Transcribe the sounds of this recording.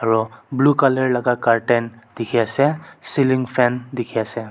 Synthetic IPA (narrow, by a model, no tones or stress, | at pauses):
aɹɔblukalɛɹlaɡakaɹʈɛndikʰiasɛsiliŋɡpʰɛndikʰiasɛ